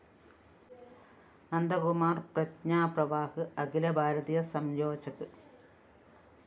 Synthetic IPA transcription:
ɐnd̪ɐɣumaːrprɐtɲaːprɐʋaːhɨɐɡilɐbʱaːɾɐðijɐsɐmjoːt͡ɕːɐkːɨ

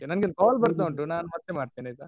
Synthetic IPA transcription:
enɐnɡind̪ɐkaːlbɐɾt̪oːɳʈunaːnumɐt̪ːemaːɽt̪iːnɐt̪aː

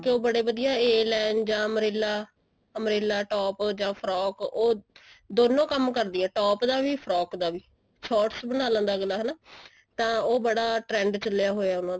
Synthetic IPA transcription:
keoːbəɽeːʋəd̪ijaːeːlɛ̃ːɳɖd͡ʒãːəmɾeːlaː | əmɾeːlaːʈɔːpd͡ʒãːpʰɾɔːkoːd̪oːnõːkəmkəɾd̪iːɛːʈɔːpd̪aːʋiːpʰɾɔːkd̪aːʋiː | sɔːʈsbənaːlə̃ːnd̪aːɡəlːaːɦɛːnaː | t̪ãːoːbəɽaːʈɾɛ̃ːɳɖt͡ʃəlːɪjaːɦoːjaːʊnãːd̪aː

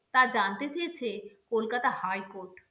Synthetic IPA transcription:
t̪ad͡ʑant̪et͡ɕejet͡ɕʰekolkat̪ahajkoɾʈ

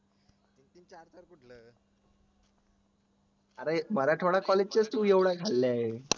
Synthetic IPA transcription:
t̪it̪int͡ɕaɾt̪əɾkuʈʰləː | aɾem̤əɾaʈʰoɽakɔled͡ʑt͡ɕet͡st̪uːjeʋɽajkʰalːaɦe

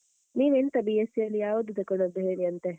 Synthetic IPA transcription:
niːʋent̪ɐbijesijɐlːijaːʋod̪ut̪ekɐɽɐd̪uɦeːɭiɐnt̪e

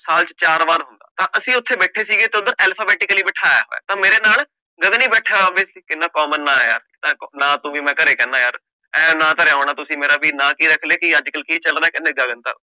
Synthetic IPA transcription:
saːlt͡ʃt͡ʃaːɾʋaːɾɦʊnd̪a̰ːt̪ãːʔəsĩːʊt̪ʰːeːbɛːʈʰeːsiːɡeːt̪eʊd̪əɾɛːlpʰaːbɛːʈɪkliːbəʈʰaːa̰ːɦo̰ːɛ̰ːt̪ãːmeːɾeːnaːl | ɡəd̪niːbɛːʈʰaːʋeːkɪnːaːkɔːmənːãːja̰ːɾɪnãːnãːt̪ũːʋiːmɛ̃ːkəɾeːkɛːnaːjaːɾ | ɛːnãːt̪aːɾɛãːɳãːt̪ʊsĩːmeːɾaːʋiːnãːkiːɾəkʰleːkɪəd͡ʒkəlkiːt͡ʃəlɾaːkɪnːeːɡaːɡənt̪a̰ː

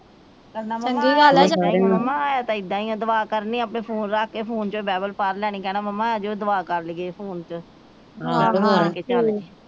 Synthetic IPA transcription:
kənaəia | mːãːaːt̪ãːɪd̪ːãːiːõːd̪əʋaːkəɾniːapɳeːpʰoːnɾaːkʰkeːpʰoːnt͡ʃoːbɛːbəlpaɾlɛːɽ̃iːkɛːnaːməmːãːɛːd͡ʒoːd̪əʋaːkəɾlɡeːpʰoːnt͡ʃ | akeːt͡ʃaːleː

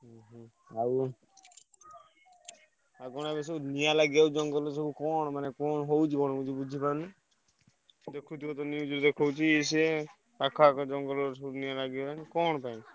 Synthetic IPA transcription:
ɦ | a | aɡɔnaebes̬ɔnijalaɡiawd͡ʒɔŋɡɔlɔs̬ɔbukɔɳ̃manekɔnɔɦowt͡ʃʰikɔñot͡ʃʰibud͡ʒʱipani | d̪ekʰɾut̪ikɔt̪ɔniud͡ʒuɾd̪ekʰɔwt͡ʃʰies̬e | pakʰakɔd͡ʒɔŋɡɔlɔsɔbunijalaɡiɔɾanikɔnɔpaj̃

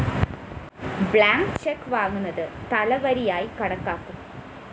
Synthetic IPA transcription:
bɭaːŋkt͡ɕekːʋaːŋːunːɐðɨt̪ɐlɐʋɐɾijaːjikɐɽɐkːaːkːum

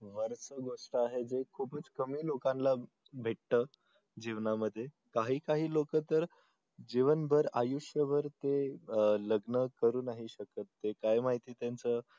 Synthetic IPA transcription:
ʋəɾsəɡoʂʈəaɦed͡zekʰuːpət͡skəmiːlokãnla | bʱeʈt̪əː | d͡ʑiʋnaməd̪ʱːje | kaɦiːkaɦiːlokət̪əɾ | d͡ʑiʋənbʱəɾajuʂjəbʱəɾt̪eləɡnəkəɾuːnaɦiɕəkət̪ːekajmaɦit̪iːt̪jant͡sə

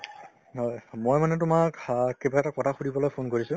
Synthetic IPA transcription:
ɔjmojmanɛt̬ʊmakkebaɛtakɔtʰaxudibɔlojpʰonkoɹisʊ̃

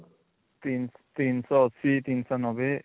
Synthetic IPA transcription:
t̪int̪insɔɔsit̪insanɔbɛ

